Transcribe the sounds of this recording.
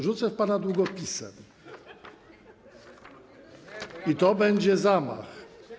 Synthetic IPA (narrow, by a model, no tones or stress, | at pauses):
ʐut̪sɛfpanad̪wuɡɔpʲisɛ̰m | it̪ɔbɛɲd͡ʑɛzama̰x